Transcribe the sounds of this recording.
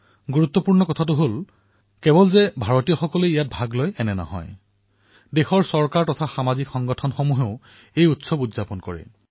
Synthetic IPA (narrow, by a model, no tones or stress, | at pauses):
ɡuɹut̪ːɔpuɹnɔkɔtʰatʊɦol | kɛbɔlzɛbʱaɹɔtijɔxɔkɔleijat̚bʱaɡlojɛnɛnɔ̰ɦɔ̰j | dexɔɹsɔɹkaɹtɔtʰaxamazikxɔŋɡɔtʰɔnxɔmuɦeʊ | ejutsɔbudzapɔnkɔ̰ɹɛ̰